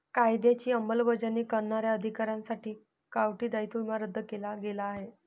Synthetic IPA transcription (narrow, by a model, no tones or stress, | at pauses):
kajd̪jat͡ɕiːəmbəlbəd͡ʑanːiːkəɾɳaɾjaəd̪ʱikaɾjãnsaʈʰiː | kaʋʈiːd̪ajt̪umaɾəd̪ʱːəkelaɡelaːɦe